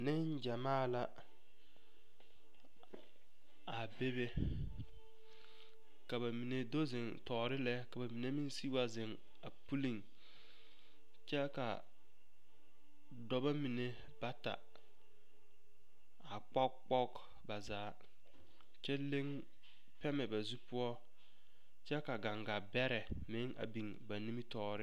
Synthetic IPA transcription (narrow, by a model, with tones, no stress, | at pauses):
nɪ˦n˦d͡ʒa˨maː˦˨la˦ | a˨be˦be˦ | ka˨ba˨mi˨ne˨do˦zɪ˨ŋtɔː˨ɾɪ˦lɛ˦ka˨ba˨mi˨ne˦mɪ˦nsi˦wa˦zɪ˨ŋ | a˨pu˦li˦˨ŋ | t͡ʃɛ˦ka̰˨ | dɔ˦ba˦mi˨ne˨ | ba˦ta̰˨ | a˨k͡pɔ˦kk͡pɔ˦k | ba˨zaː˨˦ | t͡ʃɛ˦le˦ŋ | pɛ˦mɛ˨ba˨zu˦pʊ˦ɔ˦ | t͡ʃɛ˦ka˨ɡa˨ŋɡa˨bɛ˦ɾɛ˨mɪ˦ŋa̰˨bi˨ŋba˨ni˦mi˦tɔː˨ɾɪ˦